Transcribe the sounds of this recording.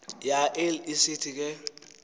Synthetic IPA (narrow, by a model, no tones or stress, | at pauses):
jaʔɛlisɪtʰik̬ʼɛ